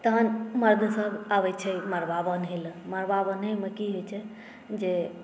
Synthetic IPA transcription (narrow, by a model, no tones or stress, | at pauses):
t̪əɦənməɾd̪ʱsəbaʋɛt͡ʃʰɛməɾbabənɦelməɾbabənɦeməkiɦot͡ʃʰɛ | d͡ʒe